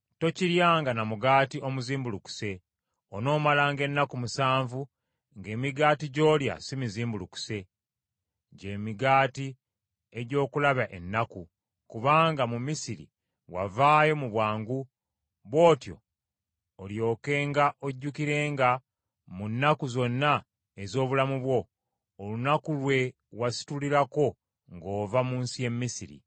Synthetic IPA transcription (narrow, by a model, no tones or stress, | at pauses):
to̞ciɾjaːŋɡanamuɡaːtiomuziːmbuluku̥se̞ | ono̞ːmalaːŋɡe̞nːakumusaːɱvu | ŋɡe̞ːmiɡaːtiɟo̞ːlja̰simiziːmbuluku̥se̞ | ɟe̞ːmiɡaːti | e̞ɟo̞ːkulaβaʔe̞nːaku | kuβaːŋɡamumisiɾḭ | wa̰vaːjo̞muβwaːŋɡu | βo̞ːtjo̞̰ː | ljo̞ːke̞ːŋɡaʔoɟːukiɾe̞ːŋɡa | munːakuzo̞nːa | ezo̞ːβulamuβwo̞ː | lunakulwe̞ | wasi̥tuliɾako̞ | ŋɡo̞ːvamuːnsije̞mːisiɾḭ